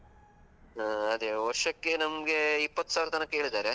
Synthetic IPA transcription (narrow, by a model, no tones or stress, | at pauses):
aɐd̪eʋɐɾʂɐkːe̞nɐmɡe̞ipːɐt̪ːusaːʋɾɐt̪ɐnɐkːe̞ːɭid̪aːɾe